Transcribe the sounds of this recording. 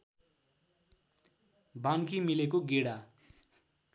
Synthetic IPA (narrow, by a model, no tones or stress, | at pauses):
bankimilekoɡeɽa